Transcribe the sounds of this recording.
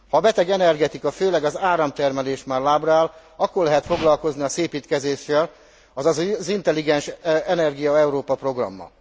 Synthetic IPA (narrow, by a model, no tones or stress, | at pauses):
hɒːbɛt̪ɛɡɛnɛrɡɛt̪ikɒføːlɛɡɒzaːɾɒmt̪ɛrmɛleːʃmaːrlaːbraːl | ɒkːorlɛɦɛt̪fo̞ɡlɒlko̞zniɒseːpiːt̪kɛzeːʃːɛl | ɒzɒzzint̪ɛlːiɡɛnʃɛnɛrɡijɒɛuɾoːpɒpro̞ɡrɒ̰mːɒ̰l